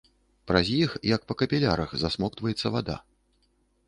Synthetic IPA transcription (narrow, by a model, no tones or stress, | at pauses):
pɾɐzʲjixjɐk̚pɐkɐpʲilʲaɾɐxzasmɔkt̪vɐjɛt̪sːɐvad̪a̰